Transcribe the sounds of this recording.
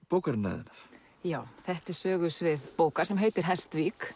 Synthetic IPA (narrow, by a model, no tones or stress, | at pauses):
powkaɾɪnːa̰ːðɪ̰naɾ̥ | jaːwθɛht̪ɪ̥sœːɣʏsvɪðpoːwkaɾ̥sɛmɦeːjt̪ɪɾ̥ɦɛst̪viːk